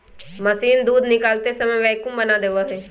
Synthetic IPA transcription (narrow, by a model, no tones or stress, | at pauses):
mɐsiːnd̪uːd̪nɪkaːlt̪esɐməjʋɛːkʊ̃mbɐnad̪eːʋaɦeː